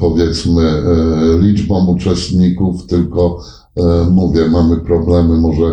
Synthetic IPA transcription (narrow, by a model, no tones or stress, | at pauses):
pɔvʲjɛt̪smɘlʲid͡ʐbɔ̃mut͡ʂɛst̪ɲikuft̪ɘlkɔ | muvʲjɛmamɘpɾɔblɛmɘmɔʐɛ